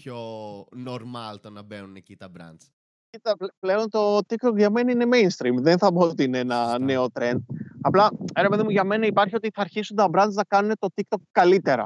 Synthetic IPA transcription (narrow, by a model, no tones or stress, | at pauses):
pçonoɾmɐlt̪onɐbenunecit̪ɐbɾɐ̰nt͡s | cit̪ɐpple̞o̞nt̪o̞t̪ikt̪o̞kʝɐme̞nɐine̞mejnst̪ɾimðenθɐbot̪iineenɐne̞o̞t̪ɾe̞nd̪̚ɐplɐeɾepeðimuʝɐme̞nɐipɐɾçio̞t̪iθɐːɾçisunt̪ɐbɾɐnznɐkɐnune̞t̪o̞t̪ik̚t̪o̞kːɐlit̪e̞ɾɐ̰